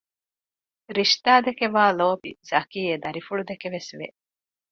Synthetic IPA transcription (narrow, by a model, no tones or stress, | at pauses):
ɾiʃt̪aːd̪ekeʋaːloːbiz̥ɐkiːed̪ɐɾifuɭud̪ekeʋesʋḛ